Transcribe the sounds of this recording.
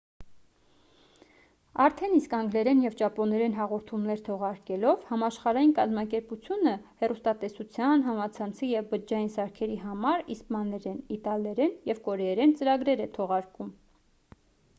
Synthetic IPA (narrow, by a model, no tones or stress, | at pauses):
ɑɾt̪ʰɛniskɑŋɡlɛɾɛnjɛvt͡ʃɑpɔnɛɾɛnɦɑʁɔɾt̪ʰumnɛɾt̪ʰɔʁɑɾkɛlɔvhɑmɑʃχɑɾɑjinkɑzmɑkɛɾput͡sʰjunəhɛrust̪ɑt̪ɛsut͡sʰjɑnɦɑmɑt͡sʰɑnt͡sʰijɛvbəd͡ʒɑjinsɑɾkʰɛɾiɦɑmɑɾispmɑnɛɾɛnit̪ɑlɛɾɛnjɛvkɔɾɛɛɾɛnt͡səɾɑɡɾɛɾɛt̪ʰɔʁɑɾkum